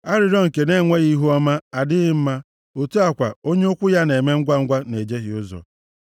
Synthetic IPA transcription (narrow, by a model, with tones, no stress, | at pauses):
a˦ɾɪ˨ɾɔ˦ŋ̩˨ke˨ne˦˨ŋʷe˦ɣi˦ɦu˦ɔ˦ma˦a˨dɪ˦ɣɪ˦m̩˦ma˦ | o˨tu˦a˨kʷa̰˨o˦ɲe˦ʊ˦kʷʊ˦ja˦ne˨me˦ŋ̩˦ɡʷa˦ŋ̩˦ɡʷa˦ne˨d͡ʒe˦ɣɪ˨ʊ˦zɔ̰˨